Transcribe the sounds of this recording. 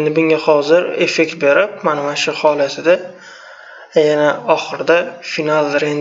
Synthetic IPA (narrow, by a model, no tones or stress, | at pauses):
end̪ɪbʊŋɡʲahɒzɪɾe̞fe̞k̚ʲt̪̚be̞ɾɪp̚manɪmanʃʊhɒlat̪ʰɪd̪a | janaɒχɨɾɪd̪afinalˠɾen